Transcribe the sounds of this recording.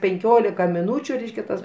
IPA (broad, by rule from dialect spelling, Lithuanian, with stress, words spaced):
pʲɛŋʲˈkʲoːlʲɪkɐ mʲɪˈnuːt͡ʃʲʊ ˈrʲɛɪʃʲkʲɛ tɐs